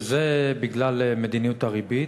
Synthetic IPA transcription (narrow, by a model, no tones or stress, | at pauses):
zebiɡlalemed̪inijut̪aʁibi